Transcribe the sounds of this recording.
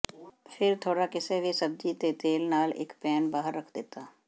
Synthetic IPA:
fʰɪɾt̪ʰoːɽakɪseʋesɐb̚d͡ʒit̪et̪eːlnaːlḛːkpɛːnbaːɦəɾːəkʰd̪eːt̪aː

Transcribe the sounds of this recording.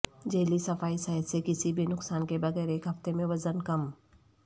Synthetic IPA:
d͡ʒeːlisɐfaːisɐɦɪd̪sekɪsibʱinʊksaːnkebɐɣɛːɾeːkɦɐft̪emẽʋɐzənkɐm

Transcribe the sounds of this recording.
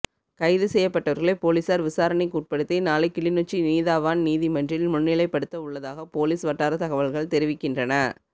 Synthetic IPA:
kɐɪðɯsɛjːɐpːɐʈːɐʋɐɾɣɐɭɐpoːliːsaːɾʋɪsaːɾɐnɛkːuːʈ̚pɐɽɯt̪ːɐɪnaːlɐɪkːɪɭɪnut͡ʃːiniːðaːʋaːnniːðimɐndrɪlmʊnːɪlɐɪpːɐɽɯt̪ːɐʊɭːɐðaːɣɐpoːliːsʋɐʈːaːɾɐt̪ɐɣɐʋɐɭɣɐɭt̪ɛɾɪʋɪkːɪndrɐnɐ

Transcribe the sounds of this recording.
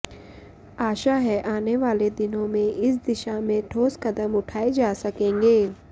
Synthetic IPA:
aːʃaɦɛʔaːneʋaːled̪ɪnõmẽʔɪsd̪ɪʃamẽʈʰoːskɐd̪əmʊʈʰaːed͡ʒaːsɐkẽːŋɡeː

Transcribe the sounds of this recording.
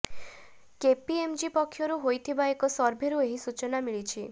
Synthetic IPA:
kepiemd͡ʒipɔkʰːjɔɾuɦojt̪ʰibaekɔsɔɾbʱiɾueɦisut͡ʃɔnamiɭit͡ʃʰi

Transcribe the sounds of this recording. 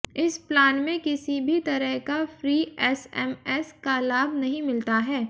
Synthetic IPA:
ɪsplaːnmẽkɪsibʱit̪ɐɾəɦkafɾiːɛsɛ̰mɛːskalaːbʱnɐɦĩmɪlt̪aɦɛː

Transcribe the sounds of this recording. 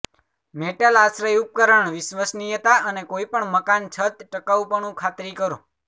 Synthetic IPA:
meʈəlasɾəjup̚kəɾəɳʋɪsʋəsnijət̪aʔənekoipəɳməkant͡ʃʰət̪ʈəkaʋupəɳ̃ũkʰat̪ɾikəɾõ

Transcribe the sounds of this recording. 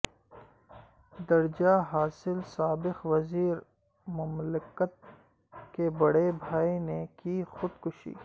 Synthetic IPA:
d̪ɐɾd͡ʒaɦaːsɪlsaːbɪxʋɐziːɾ | mʊmlɪkət̪̚ | kebɐɽebʱaːinekixʊd̪kʊʃḭː

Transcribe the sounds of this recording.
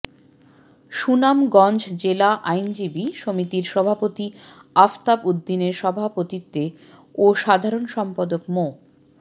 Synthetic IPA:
ʃunamɡɔ̃nd͡ʑd͡ʑelaʔajnd͡ʑibiʃomit̪iɾʃɔbʱapot̪iaft̪abud̪ːineɾʃɔbʱapot̪it̪ːe | oʃad̪ʱaɾonʃɔmpad̪okmo

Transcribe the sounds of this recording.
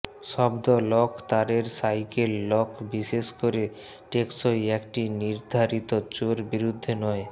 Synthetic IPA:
ʃɔbd̪olɔkt̪aɾeɾsajkelːɔkbiʃeʃkoɾe | ʈeksojekʈiniɾd̪ʱaɾit̪ot͡ɕoɾbiɾud̪ʱːenɔe

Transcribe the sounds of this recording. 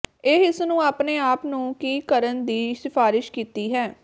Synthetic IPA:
eɪsnũːaːpneːaːpnũːkiːkəɾənd̪iːsɪpʰaːɾɪʃkiːt̪iːɦɛː

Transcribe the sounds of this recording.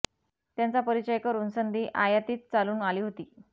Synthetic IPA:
t̪jant͡sapəɾit͡ɕəjkəɾuːnsənd̪ʱiːʔajat̪iːt̪t͡saluːnaliːɦot̪iː

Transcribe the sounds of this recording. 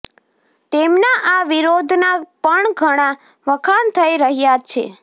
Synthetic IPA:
t̪emnaʔaʋiɾod̪ʱnapəɳɡʱəɽ̃a | ʋəkʰaɳt̪ʰəiɾəɦjat͡ʃʰḛ

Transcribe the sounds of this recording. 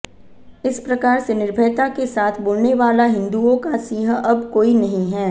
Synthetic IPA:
ɪspɾɐkaːɾsenɪɾbʱəːt̪akesaːt̪ʰboːlneʋaːlaɦɪ̃nd̪uõkasiːɦəʔɐbkoːinɐɦĩɦɛː

